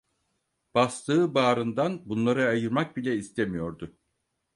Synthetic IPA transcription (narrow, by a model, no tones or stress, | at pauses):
b̥ast̪ɯːbaːɾɯnd̪anbunlˠaɾɯajɯɾmak̚bilʲɛist̪ʰemijo̞ɾd̪ʊ